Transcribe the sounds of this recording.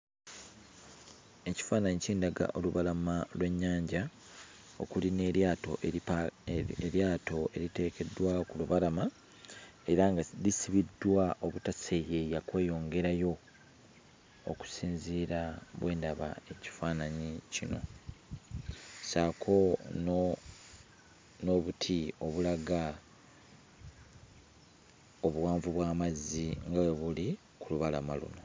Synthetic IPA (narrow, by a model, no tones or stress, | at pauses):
e̞ci̥faːnaɲiciːndaɡa̰ʔo̞luβalamalwe̞ɲːaːɲɟa | o̞̰kulineatoʔ | eɾjaːto̞e̞ɾite̞ːke̞dːwakuluβalama | e̞ɾaŋɡalisiβidwaʔo̞βutaseje̞jakwe̞ːjo̞ːŋɡe̞ɾajo̞ | o̰ku̥siːnziːɾaβwʔe̞ːndaβa̰e̞ci̥faːnaɲicino̞̰ | saːkʰo̞n | noβutʰio̞βulaɡa | o̞βuwaːɱvuβwaːmazːiŋɡaweβuli | kuluβalama̰lṵno̞